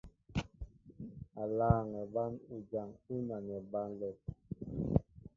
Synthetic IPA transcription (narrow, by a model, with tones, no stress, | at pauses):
a˨laː˦ŋɛ˨ba˦nu˨d͡ʒa˨ŋu˦na˨nɛ˨ba˦nlɛ˦˨t̚